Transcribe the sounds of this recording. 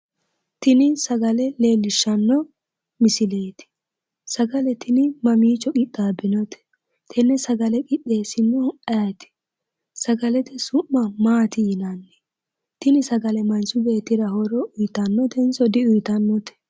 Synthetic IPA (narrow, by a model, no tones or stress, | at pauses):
t̪ɪnɪsɐɡɐlɛle̞ːlːɪʃːɐnːɔ | mɪsɪleːt̪ɪ̥ | sɐɡɐlɛt̪ɪnɪmɐmiːt͡ʃɔkʼɪɗaːbɪnɔt̪ɛ̥ | t̪ʰɛnːɛsɐɡɐlɛkʼɪɗːe̞ːsɪnːɔɐt̪ɪ̥ | sɐɡɐlɛt̪ɛsʊʔːɐmaːt̪ɪjɪnɐnːɛ̥ | t̪ɪnɪsɐɡɐlɛmɐnsʊbe̞ːt̪ːɪɾɐhɔɾɔʔʊjt̪ɐnːɔt̪ɛnsɔd̪ɪʊjt̪ɐnːɔt̪ɛ̥